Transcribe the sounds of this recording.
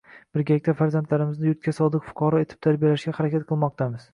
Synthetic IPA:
b̥ɪɾɡʲaɪk̚ʲt̪afaɾzant̪laɾɪmɪznɪjʊt̪̚kʲasɒd̪ɨqfʊ̥qʰɑɾɒe̞t̪ʰɪb̚t̪ʰaɾbijalaʃɡʲahaɾakʲat̪̚qʰɨlˠmɒq̚t̪ʰamɪz̥

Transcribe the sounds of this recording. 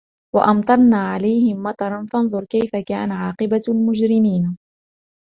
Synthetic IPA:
wa̰ʔɑmt̪ˤɑɾˤnaːʕalajhɪmːɑt̪ˤɑɾˤɑnfɑnðˤʊɾˤkajfakaːnaʕɑːqɨbalmʊd͡ʒɾɪmiːn

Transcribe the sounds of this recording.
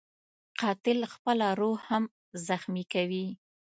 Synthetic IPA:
qɑt̪ɪlxpəlaɾohham | zaxmikawi

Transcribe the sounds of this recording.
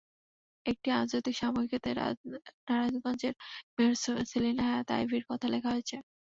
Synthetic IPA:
ek̚ʈiɾad͡ʑojt̪ikʃamoikit̪eɾ̰naɾad͡ʑɡɔnd͡ʑeɾmeɾsosilinaaat̪a̰jbʱiɾkɔt̪ʰalekʰaɦoet͡ɕʰe

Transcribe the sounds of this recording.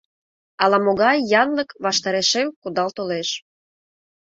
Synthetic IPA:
ɑlɑmoɣɑjːɑnləkβɑʃt̪ɑɾeʃemkud̪ɑlt̪oleʃ

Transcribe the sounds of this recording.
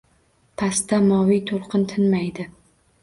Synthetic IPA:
pʰast̪amɒvijt̪ʰolˠqɨnt̪ʰɪnmajd̪ɪ

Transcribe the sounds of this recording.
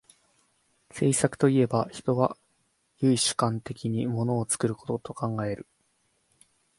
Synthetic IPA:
se̞ːsakɯ̟̥t̪o̞ie̞baçi̥t̪o̞βa | jɯ̟iɕɨ̥kãnt̪e̞kʲiɲ̟imo̞no̞ːt͡sɨ̥kɯ̟ɾɯ̟ko̞t̪o̞t̪o̞kãŋɡae̞ɾɯ̟

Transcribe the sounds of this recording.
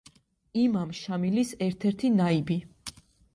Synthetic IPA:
imamʃamilisɛɾt̪ʰɛɾt̪ʰinaibi

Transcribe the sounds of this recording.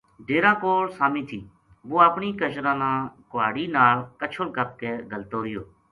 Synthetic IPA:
ɖeːɾãːkoːɽsaːmĩːt̪ʰiː | boːapɳiːkət͡ʃɾãːnãːkʊʋaːɽiːnaːlkət͡ʃʰʊlkəp̚keːɡəlt̪oːɾɪjoː

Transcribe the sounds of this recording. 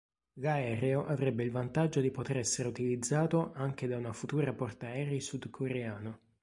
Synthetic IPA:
laɛːɾeoʔavɾɛbːeilvant̪ad͡ʒːod̪ipot̪eɾɛsːeɾeut̪ilid̪zːaːt̪oʔaŋk̟ed̪aunafut̪uːɾapɔrt̪aɛːɾisud̪kʰoɾeaːno

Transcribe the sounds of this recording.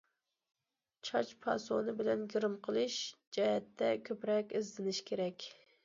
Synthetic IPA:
t͡ʃʰɑt͡ʃpʰɑ̰sonɨbɪlɛnɡʲiɾɨmqʰəlˠɨʃ | d͡ʒɛhɛt̪ʰːɛkʲʰøpɾɛkʲɪzd̪ɪnɪʃkʲʰeɾɛkʲ

